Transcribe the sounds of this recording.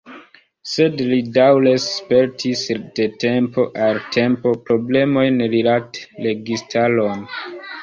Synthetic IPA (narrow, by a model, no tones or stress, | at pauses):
se̞dlidawlespe̞ɾtʰisd̥e̞te̞mpo̞ʔaltʰe̞mpo̞pɾo̞ble̞mo̞jnɾilatle̞ɡistʰalo̞n